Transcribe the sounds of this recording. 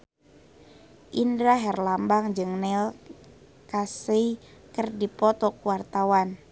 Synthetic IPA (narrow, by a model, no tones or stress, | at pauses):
ʔindɾaɦɛrlambaŋd͡ʒɨŋnɛl | kaseikərdipɔt̪ɔkuwart̪awan